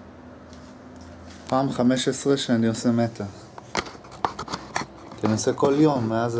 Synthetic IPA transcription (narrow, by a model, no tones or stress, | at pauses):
paːmχame̞ʃesʁeʃeniosemet̪ʰa | kenoseko̞ljo̞mːeaz